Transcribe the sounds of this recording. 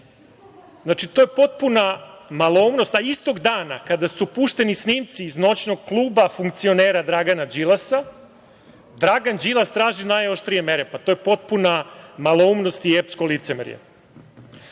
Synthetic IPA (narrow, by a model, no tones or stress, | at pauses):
znat͡ʃit̪oje̞po̞t̪̚punamalˠoumno̞st̪aist̪o̞ɡd̪aːnakad̪asupuːʃt̪e̞nisniːmt̪siːzno̞t͡ʃnoɡ̚klˠuːbafuŋk̚t̪sio̞neːɾad̪ɾaɡanad͡ʒilˠasa | d̪ɾaɡand͡ʒilˠast̪ɾaːʒinajoʃt̪ɾije̞me̞ɾepat̪oːjepo̞t̪̚punamalˠoumno̞st̪iepskolit̪semɾḭjḛ